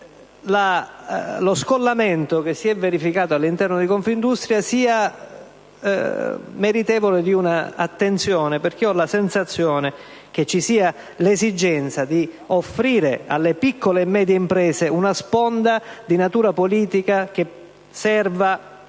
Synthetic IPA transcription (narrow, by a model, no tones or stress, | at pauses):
la | loskolːament̪ok̟esːiɛvːeɾifikaːt̪oalːint̪ɛrnod̪ikoɱfind̪ust̪ɾjasiːa | meɾit̪ɛːvoled̪iunaa̰t̪ːent̪sjɔːneperk̟eɔlːasɛnsat̪sːjɔːne | k̟et͡ʃːisiːa | lezid͡ʒɛnt̪sad̪i | ofːɾiːɾea̰lːepikʰːoleːmːɛːd̪jeimpɾɛːzeunaspɔnd̪ad̪inat̪uːɾapoliːt̪ikak̟e | sɛrva